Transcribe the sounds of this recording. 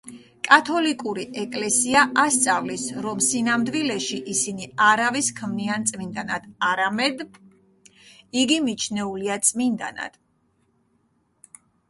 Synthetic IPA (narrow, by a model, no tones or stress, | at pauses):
kʼat̪ʰɔlikʼuɾiʔɛkʼlɛsiaʔast̪sʼavlisɾɔmsinamd̪vilɛʃiʔisiniaɾaviskʰmniant̪sʼmind̪anad̪̥aɾamɛd̪ | iɡimit͡ʃʰnɛuliat̪sʼmind̪a̰na̰d̪̥